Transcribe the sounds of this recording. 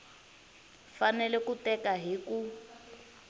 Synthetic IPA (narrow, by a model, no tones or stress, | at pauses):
fanɛlɛkutɛkaɦiku